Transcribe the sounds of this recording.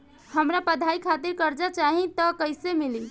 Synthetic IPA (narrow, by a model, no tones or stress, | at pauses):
həmɾapəd̪ʱaikʰat̪iɾkəɾd͡ʒat͡ʃaɦit̪əkəɪjsemili